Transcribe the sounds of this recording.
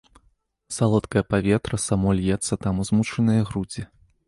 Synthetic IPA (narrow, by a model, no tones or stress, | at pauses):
salˠɔt̪kɐjɐpavʲɛt̪ɾɐsamɔlʲjɛt̪sːɐt̪amuzmut͡ʂɐnɨjɐɣɾud͡zʲi